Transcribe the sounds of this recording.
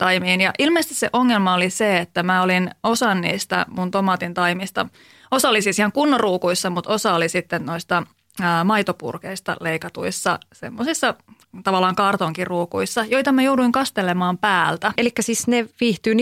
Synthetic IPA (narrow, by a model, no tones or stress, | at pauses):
t̪ɑimiːnjɑʔilmeist̪isḛʔoŋːelmɑoliseet̪ːæmæolinosɑnnḭːst̪æ̰munt̪omɑːt̪int̪ɑimist̪ɑ̰ | osɑlːisisihɑŋkunːoruːkuisːɑmut̪osɑolisit̪ːennoist̪ɑː | mɑijt̪opṵrkeist̪ɑ̰leikɑt̪ṵisːɑsḛmːosisːɑ | t̪ɑʋɑlːɑːŋkɑːrt̪oŋkirruːkuisːɑjo̞jt̪ɑmæjouduiŋkɑst̪elemɑːmpæːlt̪æelikːæsiːsneʋiːht̪yːn